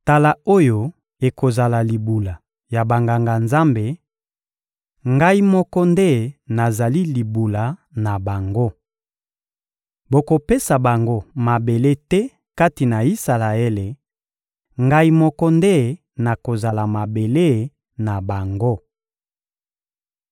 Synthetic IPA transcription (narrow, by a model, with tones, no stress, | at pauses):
ta˨la˨o˦jo˨ | e˨ko˨za˨la˨li˨bu˨la˨ | ja˨ba˨ŋɡa˨ŋɡa˨nza˦mbe˨ | ŋɡa˦i˦mɔ˦kɔ˦nde˦na˨za˨li˦li˨bu˨la˨na˨ba˨ŋɡo˦ | bo˨ko˨pe˦sa˨ba˨ŋɡo˦ma˨be˨le˦tɛ˦ | ka˦ti˨na˨i˦sa˨la˨e˦le˨ | ŋɡa˦i˦mɔ˦kɔ˦nde˦ | na˨ko˨za˨la˨ma˨be˨le˦ | na˨ba˨ŋɡo˦